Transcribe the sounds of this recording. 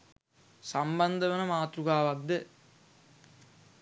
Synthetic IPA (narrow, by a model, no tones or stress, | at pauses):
samband̪əʋenɐmaːt̪ɾuɡaːʋak̚d̪ə